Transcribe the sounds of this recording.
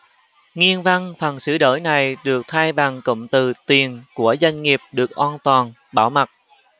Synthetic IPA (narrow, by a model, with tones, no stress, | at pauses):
ŋi˧ənva˧ŋfə˨˩nsɨ˧˦ɗəː˧˩jna˨˩jɗɨ˨˩ək̚t̪ʰaː˧jɓa˨˩ŋkə̰˧˨ŋ͡mt̪ɨ˨˩t̪wi˨˩ənku˧˩əzwa˧jŋ̟ŋi˨˩əp̚ɗɨ˨˩ək̚ʔwaː˧nt̪waː˨˩n | ɓaː˧˩wma˨˩t̚